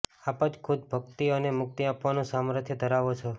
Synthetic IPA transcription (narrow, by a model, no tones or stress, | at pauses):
apəd͡ʒkʰʊd̪̚bʱəkt̪iənemʊk̚t̪iapʋanũsamɾət̪ʰjəd̪ʱəɾaʋot͡ʃʰo